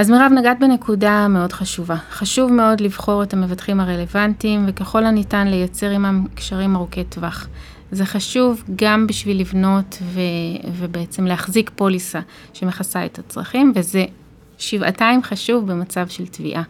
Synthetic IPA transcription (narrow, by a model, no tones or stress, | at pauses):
azmiʁavnaɡat̚bene̞kudameo̞dχaʃuvaχaʃuvme̞o̞dlivχo̞ʁe̞thame̞vatχimaʁe̞le̞vantimvekeχo̞lanitanlejat͡se̞ʁimamkʃaʁimaʁoketvaχ | ze̞χaʃuvɡambiʃvilːivno̞tvevebeet͡se̞mleaχzikpo̞lisa | ʃe̞meχasaetat͡sʁa̰χimveze̞ | ʃiva̰taimχaʃuvbemat͡savʃe̞ltvḭʔa